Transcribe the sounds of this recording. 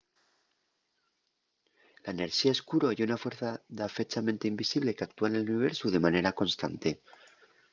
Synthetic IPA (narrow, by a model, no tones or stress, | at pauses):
laene̞ɾʃiaeskuɾojunafwe̞ɾθaðafe̞t͡ʃamẽnt̪eimbisiβle̞keak̚t̪uane̞luniβ̞e̞ɾsuðe̞mane̞ɾako̞nst̪a̰nt̪e̞